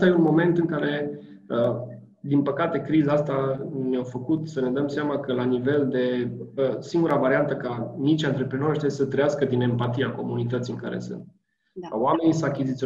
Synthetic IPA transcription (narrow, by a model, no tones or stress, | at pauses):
t̪aje̞unmo̞me̞nt̪ɨŋkaɾe̞ | ə | d̪inpəkat̪e̞kɾizaast̪anawfəkut̪səne̞d̪əmseamakəlanive̞ld̪e̞əsiŋɡuɾavaɾiant̪əkanit͡ʃʲant̪ɾepɾeno̞ɾt̪esət̪ɾəjaskəd̪ine̞mpat̪iako̞munit̪ət̪siɨŋka̰ɾḛsɨ̰nt̪̚ | kaoame̞nisəakʲizit̪sio